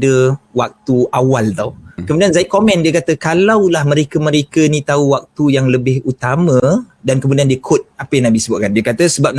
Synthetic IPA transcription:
dəwak̚t̪uʔawalt̪a̰wkəmudianzaikomɛ̃ndiəkat̪əkalawlahmə̃ɾekəmə̃ɾekənit̪auwak̚t̪ujaŋləbɪhut̪amə̃ | dankəmũdiandiəkʰʊt̪̚apəjaŋnabihsəbʊt̪ʔ̚kandiəkat̪əsəbap̚

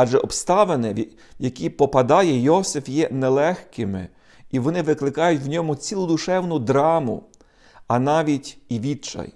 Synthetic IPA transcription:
ɑʒɛɔpst̪ɑʋenɪ | jɐkʲipɔpɐd̪ɑjɛjɔsɪfjɛnɛlˠɛxkɪmɪ̰ | iʋɔnɪʋɪklˠɪkɑjʊtʲwnʲɔmʊt͡sʲilˠʊd̪ʊʃɛwnʊd̪ɾɑmʊ̰ | ɐnɑʋʲitʲiʋʲit͡ʃɐ̰j

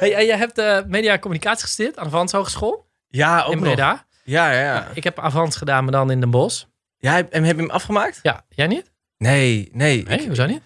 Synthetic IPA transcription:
hejɛjɛjɦɛp̚təmeːdiakomynikaːtsi̥χə̥stɪətanavɔnshoːχəskoːlˠ | jaomreda | jajaaɪkhɛpafɔnsχədaːnmadɔnɪndənbos | jaɛhɛpəmʔafχəmaːk̚tja̰jɛjnɪt | nenejehusonit

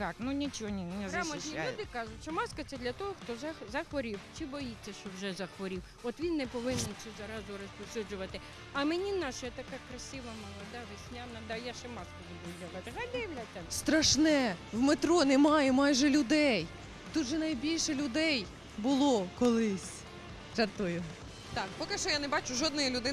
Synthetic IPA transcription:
k̪ɑknunʲit͡ʃɔɔnʲinɛzɾɑmɔialjud̪ɪkɑʒʊtʲʃɔmɑskɐt̪ɛd̪lʲɐt̪ɔɦɔxt̪ɔzɐzɐxʋɔɾʲiwt͡ʃɪbɔjit͡sʲːɐʃt͡ʃɔwʒɛzɐxʋɔɾʲiw | ɔt̪ʋʲinːɛpɔʋɪnɛnt͡ʃɛzɐɾɑzʊɾɔsʲpɔsʲud͡ʒʊʋɐt̪ɪ | ɐmenʲinɑʃɐjɛt̪ɐkɑkɾɐsʲɪʋɐmɐlˠɐd̪ɑʋɪʃʲnʲamnɐd̪ɑjaʃɪmɑskɐbʊb̪uɐɦɐt̪ɦɑlʲd̪ɪjɐʋlʲat̪ʲːɐst̪ɾɐʃnɛwmet̪ɾɔnɛmɑjɛmɑjʒɛlʲʊd̪ɛj | t̪ud̪ʒɛnɐjbʲilʲʃɛlʲʊd̪ɛj | bʊlˠɔkɔlˠɪsʲ | ʒɐt̪ʊjʊ | t̪ɑkpɔkɪʃt͡ʃɔjanebɑt͡ʃʊʒɔd̪nɔjɐlʲʊd̪ɪ

